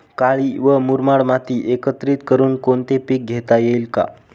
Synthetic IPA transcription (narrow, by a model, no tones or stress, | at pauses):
kaɭiʋəmuɾmaɽmat̪iːʔekət̪ɾiːt̪kəɾuːnkoɳt̪epik̚ɡʱet̪ajeilka̰